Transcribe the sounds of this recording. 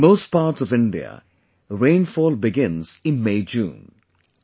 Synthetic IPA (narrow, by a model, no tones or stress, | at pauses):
moʊst̚paːɾʈsɔvɪ̃ɳɖiə̰ | ɾẽɪ̃nfɔːlbɪɡɪ̃nz̥ɪ̃nmeɪd͡ʒṵ̃ːn